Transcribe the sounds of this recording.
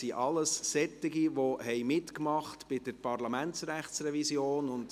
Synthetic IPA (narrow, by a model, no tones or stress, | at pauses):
siʔɑləssɛt̪ːɪɡiʋoɦɛɪmɪtkmɑχtb̥ɪd̥əɾpʰɑɾlɑmæntsɾæχtsrɛvisjoːnʊnd